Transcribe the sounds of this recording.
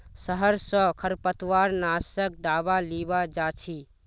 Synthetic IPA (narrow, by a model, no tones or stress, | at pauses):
səɦəɾsə̃kʰəɾpət̪waːɾnasək̚d̪aːbalibad͡ʒat͡ʃʰi